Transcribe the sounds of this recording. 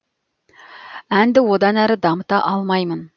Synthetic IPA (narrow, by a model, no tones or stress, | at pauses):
ænd̪ɪwod̪ɑnæɾɪd̪ɑmət̪ɑʔɑlˠmɑjmən